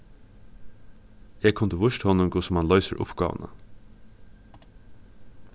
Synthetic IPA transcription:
eːkʰʊnd̪əʋʊʃt̪hɔnʊmkʰʊsmanlɔʏsə̰ɾʔʊ̰pɡɑ̰ːʋə̰nə̰

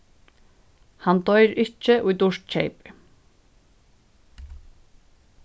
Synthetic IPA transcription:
hant̪ɔjɾɪht͡ʃːɪʔujt̪uʂt̪̚t͡ɕʰejpɪ̥

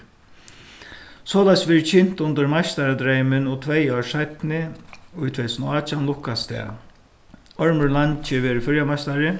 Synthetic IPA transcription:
sɔːlasʋɪːɹt͡ʃʰɪn̥t̪ʊnt̪əɾmast̪aɾad̪ɾeɪmɪnɔt̪ʰʋejaʂajt̪nɪʊjt̪ʰvɛɪsnɔaːt͡ʃanlʊhkast̪ɛ̰ | ɔɹməɹlant͡ʃɪʋeːɾɪfʏɾjamast̪aɾɪ

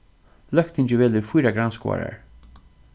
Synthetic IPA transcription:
lœkt̪ɪɲt͡ʃəvɛːlɪɾfujɾaɡɾanskɔ̰ːɹa̰ɹ

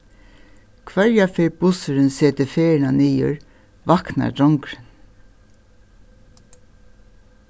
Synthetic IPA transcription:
kʰvɛɹjafeːɾbʊsʏɾɪnseːt̪ɪfeːɹɪnaniːjʊ̰ɹ | vakna̰dɔŋkɾɪn

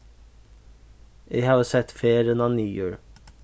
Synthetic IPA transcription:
ʔeɪhɑːʋəsɛt̪feːɾənɑniːjøːɹ

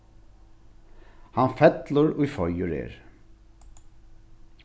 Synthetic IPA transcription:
hanfɛt̪lʊɾujfɔjʊɾḛːɹ

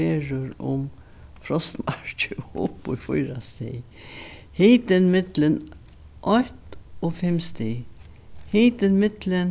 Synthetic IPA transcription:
eːɾəɾʊ̰m | fɾɔst̪mɑɹt͡ʃəʊ̰pːʊfʊjɾast̪ḛ | hiːt̪ɪnmɪd̪̥lən | ʔɔht̪ofɛmst̪ɪ | hiːt̪ɪnmɪd̪lən

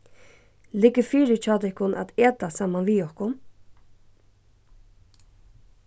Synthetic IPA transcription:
lɪkːəfiːɾɪt͡ʃʰaːt̪ɛhkʊnʔa̰t̪eːt̪asaːmanʋiɔhkʊn

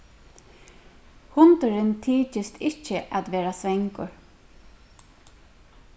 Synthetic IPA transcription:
hʊnt̪ʏɾɪnt̪ʰiːt͡ʃɪst̪ʰɪt͡ʃːəʔæt̪ʋeːɾasʋɛŋkʊɹ

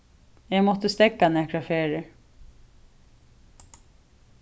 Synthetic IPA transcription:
ɛːmɔht̪əst̪ɛkːanɛkɹafeːɹɪ

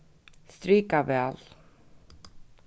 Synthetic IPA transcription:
st̪ɾiːkavɛl

